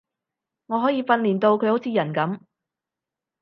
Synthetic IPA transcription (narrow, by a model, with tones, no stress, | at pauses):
ŋɔː˨˧ɦɔː˨˥jiː˧fɐ˧nliː˨˩nt̪o˧wkʰɵ˧ɥho˨˥wt͡sʰiː˨˧jɐ˨˩nkɐ˨˥m